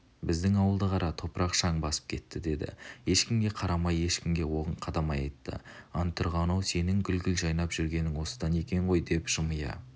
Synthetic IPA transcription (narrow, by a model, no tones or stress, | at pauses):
bɪzd̪ɪŋɑwəlˠd̪əʁɑɾɑt̪ʰo̞pɾʔɑqʃɑɴbɑsə̥p̚kʲʰe̞t̪ːɪd̪e̞d̪ɪ̰je̞ʃkʲɪmɡʲe̞qʰɑɾɑmɑje̞ʃkʲɪmɡʲe̞wo̞ʁəɴqʰɑd̪ɑmɑjɑjt̪ːə̰ɑnt̪ʰʊɾʁɑnowse̞nɪŋɡʲʏlɡʲɪlʒɑjnɑpʒ̥ʏɾɡʲe̞nɪŋwo̞sə̥d̪ɑne̞kʲe̞ɴʁo̞jd̪e̞pʒ̥əməjɑ̰